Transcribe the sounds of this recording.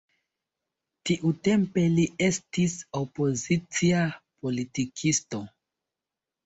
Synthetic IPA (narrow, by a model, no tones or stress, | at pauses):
tiʔute̞mpe̞lie̞stisopo̞zit͡siapo̞litikʰisto̞